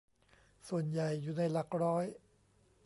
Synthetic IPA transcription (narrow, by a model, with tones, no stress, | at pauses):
su˨˩ənja˨˩jːuː˨˩na˧jla˨˩k̚ɾɔː˦˥j